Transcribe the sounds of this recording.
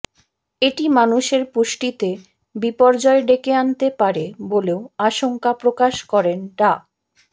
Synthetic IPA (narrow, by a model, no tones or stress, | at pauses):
eʈimanuʃeɾpuʃʈit̪e | bipɔɾd͡ʑɔeɖekeant̪epaɾeboleoaʃoŋkapɾokaʃkɔɾenʈa